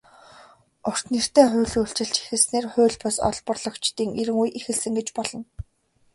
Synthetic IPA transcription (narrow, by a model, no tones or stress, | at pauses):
ʊr̥t̪nir̥t̪eːχʊ̟ːɮuɬt͡ɕɪ̆ɬt͡ɕi̥xɘ̆sneːrχʊ̟ːɮpɔsɔ̰ɮpə̆rɮɞ̆kt͡ɕt̪iːŋeɾɘ̆ŋujʔixɘ̆ɮsɘ̆ŋɡet͡ɕpɔɮɞ̆n